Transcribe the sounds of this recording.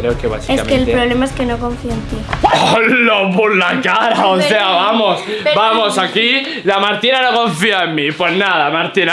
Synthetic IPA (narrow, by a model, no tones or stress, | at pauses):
kɾeokeβa̰siesamkelpɾoβlemaeskenokõɱfiant̪iolopolakaɾaoss̬eaβamosbamosaki | lamaɾt̪inanoko̞ɱfiaemːipwe̞znaðamaɾt̪ina